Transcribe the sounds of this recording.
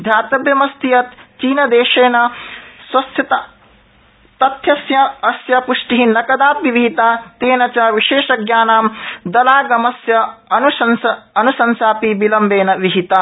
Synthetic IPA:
d̪ʱjaːt̪ɐbjɐmɐst̪ijɐt̪t͡ʃiːnɐd̪eːʃeːnɐswɐsʰjɐt̪ɐ | t̪ɐt̪ʰjɐsjɐɐsjɐpuʂʈiɦinɐkɐd̪aːpiʋiɦit̪at̪eːnɐt͡ʃɐʋiʃeːʃɐɡjaːnaːmd̪ɐlaːɡɐmɐsjɐɐnusɐnsɐɐnusɐnsaːpibilɐmbeːnɐʋiɦit̪a

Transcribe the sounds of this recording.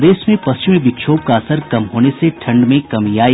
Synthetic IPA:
d̪eːsmẽpɐst͡ʃɪmẽbɪkʃʰoːp̚kaɐsəɾkɐmɦoːneseʈʰɐ̃ɳɖmẽkɐmijaː

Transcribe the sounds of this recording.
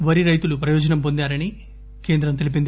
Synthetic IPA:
ʋɐɾiɾɐjt̪ulupɾɐjɔːd͡ʒɐnɐmpo̞nd̪aːɾɐni | ke̞ːnd̪ɾɐmt̪elipind̪

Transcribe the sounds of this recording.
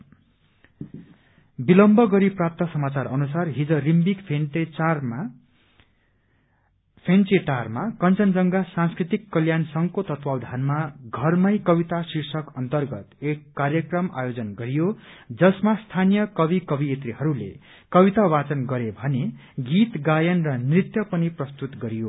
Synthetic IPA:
bilʌmbʱʌɡʌɾiprap̚t̪ʌsʌmat͡sarʌnusarɦid͡zʌrimbikpʰenerm | pʰent͡seʈarmakʌnt͡sʌnd͡zʌŋɡasãnskrit̪ikːʌljansʌŋkot̪ʌt̪wawd̪ʱanmaɡʱʌrmʌjkʌbit̪asirsʌkʌnt̪ʌrɡʌt̪ekːarjʌkrʌma̰jod͡zʌnɡʌɾijod͡zʌsmast̪ʰanijʌkʌbikʌbiet̪riɦʌɾulḛ | kʌbit̪awat͡sʌnɡʌɾebʱʌneɡit̪ɡajʌnrʌnrit̪jʌpʌniprʌst̪ut̪ɡʌɾijo

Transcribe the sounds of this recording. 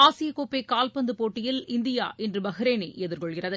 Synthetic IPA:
aːsɪjɐkoːpːekaːlpɐnd̪ɯpoːʈːɪjɪlɪnd̪ɪja̰ːʔɛndrɯbɐɣɪɾeːnɐʔɛðɪɾkɔɭkɪrɐðɯ

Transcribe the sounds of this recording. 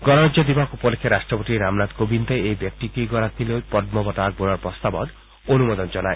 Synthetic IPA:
ɡɔnɔɾɔd͡ʑod̪ibakupolekʰːeɾaʃʈɾɔpot̪iɾamnad̪kobint̪eejbjek̚ʈikijɡɔɾak̪ʰilopɔd̪̚mɔbɔʈ̪ak̚bolaɾpɾɔst̪abɔ̰t̪ | onumɔd̪ɔnd͡ʒɔnae

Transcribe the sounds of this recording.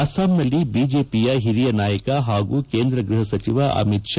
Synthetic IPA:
ɐsaːmnɐlːibiːd͡ʒeːpijɐɦiɾijɐnaːjɐkɐɦaːɡuːkeːnd̪ɾɐɡɾuɦɐsɐt͡ʃiʋɐʔɐ̰mit̪ʃ

